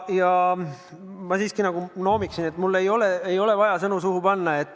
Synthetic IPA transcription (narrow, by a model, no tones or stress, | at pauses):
jɑ | mɑsiːskinɑɡ̥uno̞ːmiksine̞t̪mulːe̞jo̞le̞ejo̞le̞vɑjɑsɤnusuhupɑnːɑe̞t̪ːˑ